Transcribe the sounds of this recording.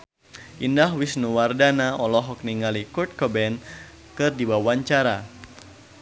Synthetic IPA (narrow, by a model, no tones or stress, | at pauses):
ʔindahwisnuwardanaɔlɔɦɔk̚niŋalikɔrt̪̚kɔbɛn | kɨrdiwawaɲt͡ʃaɾa